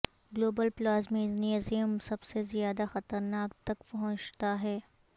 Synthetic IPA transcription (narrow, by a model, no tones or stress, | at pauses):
ɡloːbəlplaːzmeːznizijəmsɐbsezjaːd̪axɐt̪əɾnaːk̚t̪ɐkpɐɦʊ̃t͡ʃt̪aɦɛː